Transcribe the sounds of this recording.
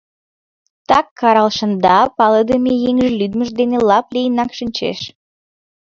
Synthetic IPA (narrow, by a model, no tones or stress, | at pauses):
t̪ɑkʰːɑɾɑlˠʃə̆nd̪ɑpɑləd̪əmejeŋʒəlyd̪məʒd̪enelɑplejənɑkʃənʲt͡ɕḛʃ